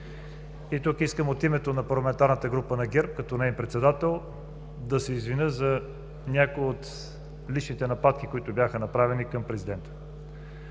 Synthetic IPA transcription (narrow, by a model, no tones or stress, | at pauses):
it̪ukiskəmot̪imɛt̪onɐpɐɾlˠɐmɛnt̪aɾnət̪əɡɾupənɐɡʲɛɾp̚kɐt̪ɔnɛimpɾɛt̪sɛd̪at̪ɛlˠ | d̪ɐsɛizvinəzɐ | nʲakoiot̪ | lit͡ʃnit̪ɛnɐpat̪kikoit̪ʊbjaxənɐpɾavɛnikɐmpɾɛzid̪ɛnt̪ə̥